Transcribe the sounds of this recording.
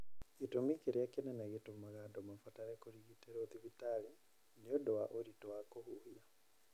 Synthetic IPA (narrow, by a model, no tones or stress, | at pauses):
ɣitomikeɾjakenɛnaɣetomaɣadɔmafataɾɛkoɾiɣiteɾoðivitali | neɔdɔwaʔoɾitɔwakohuhia